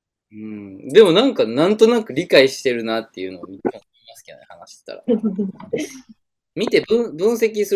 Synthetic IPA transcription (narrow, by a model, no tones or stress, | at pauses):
ɯ̟̃ɴd̪e̞mo̞nãŋkanãnt̪o̞nakɯ̟ɾʲikaiɕi̥t̪e̞ɾɯ̟nat̪ːe̞jɯ̟̰no̞ːmʲit̪ːeooimasɨ̥kʲeo̰nḛhanaɕi̥se̥t̪a̰ɾa̰ | mʲit̪e̞bɯ̃ɰbɯ̟̃ɰ̃se̞k̬ʲisɨ